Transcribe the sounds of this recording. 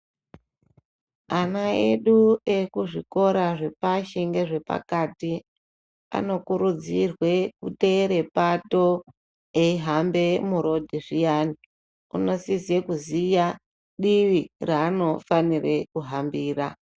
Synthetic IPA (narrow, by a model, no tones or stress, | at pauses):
anaḛɗue̞kuʐiko̞ɾaʐe̞paʃeŋɡe̞ʐe̞pa̰kati | a̰no̞kuɾud͡zirwe̞kuteɾe̞pato | eiɦambe̞muɾo̞dʱiʐijaːni | ṵno̞sizekuzija | ɗiʋiraːno̞fanire̞kuɦambiːra